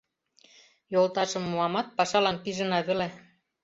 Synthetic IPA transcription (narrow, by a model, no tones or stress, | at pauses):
jolt̪ɑʃɤ̆mːuɑmɑt̪̚pɑʃɑlɑnpiʒə̆nɑβɘ̆le